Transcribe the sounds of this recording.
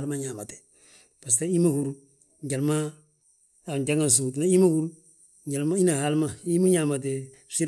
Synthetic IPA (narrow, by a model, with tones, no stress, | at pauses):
lma˦ɲa˨ma˨te̥˨ | b̥a˨s̬ta˦i˦ma˦ku˨ɾu˦ | ɲɟa˨lma˦ | a˨ɲd͡ʒa˦ŋa˦ns̬uː˨t̬na˦i˦ma˦ku˦ɾu˦ | ɲɟa˨lma˦i˦na˨ha˦lma˦i˦mu˦ɲa˨ma˨t̬e˨ | si˦